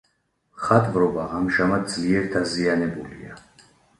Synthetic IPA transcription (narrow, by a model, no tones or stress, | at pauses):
χat̪ʼvɾɔbaʔamʒamad̪̚zliɛɾd̪azianɛbulḭa̰